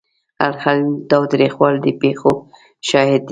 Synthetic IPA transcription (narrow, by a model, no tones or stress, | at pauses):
a̰lxalt̪ɑwt̪ɾixwɑld̪əpexo | ʃɑhɪd̪̚ː